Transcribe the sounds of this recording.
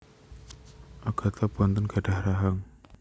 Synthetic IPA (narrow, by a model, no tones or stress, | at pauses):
aɡ̥a̤t̪ʰabuant̪ʊnɡ̥a̤ɖa̤hɾaɦaŋ